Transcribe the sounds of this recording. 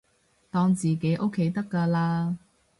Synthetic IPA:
t̪ɔː˧ŋt͡siː˨ke˨˥jʔo˥kʰːe˨˥jt̪ɐ˥kːaː˧laː˧

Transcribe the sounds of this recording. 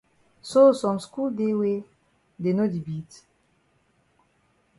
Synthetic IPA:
so˦sɔ˨nsku˦de˦we˦ | de˨no˦d̪i˨bi˨t

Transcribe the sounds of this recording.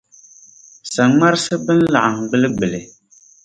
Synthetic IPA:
sa˨ŋŋa˦ɾsɨ˦bɨ˦n̩˦la˨ʔa˨ŋ˨ɡ͡bɨ˦lɨ˦ɡ͡bɨ˨lɪ˨

